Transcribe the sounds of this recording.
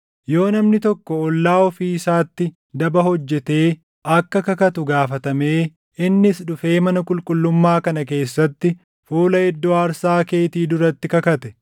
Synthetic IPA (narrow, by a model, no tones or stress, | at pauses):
jo̞ːnɐmnɪt̪ɔkːɔɔlːaːɔfiːɪsaːt̪ːɪ | d̪ɐbɐɦɔd͡ʒːɛt̪e̞ː | ʔɐkːɐkɐkɐt̪ʊɡaːfɐt̪ɐme̞ː | ɪnːɪsɗʊfe̞ːmɐnɐkʼʊlkʼʊlːʊmːaːkɐnɐke̞ːsːɐt̪ːɪ | fuːlɐɛd̪ːoɐɾsaːke̞ːt̪iːd̪ʊɾɐt̪ːɪkɐkɐt̪ɛ